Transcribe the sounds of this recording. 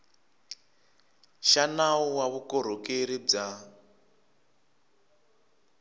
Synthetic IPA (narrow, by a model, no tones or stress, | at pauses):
ʃanauwaβukɔɾ̤okeɾib͡ʐa